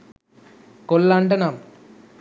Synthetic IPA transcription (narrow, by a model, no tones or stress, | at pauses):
kolːaːɳɖɐnaːm